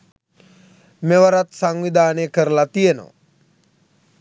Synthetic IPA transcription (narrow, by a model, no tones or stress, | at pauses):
meʋəɾat̪saŋʋid̪ʱaːnejkəɾəlat̪ijeno̰ʋ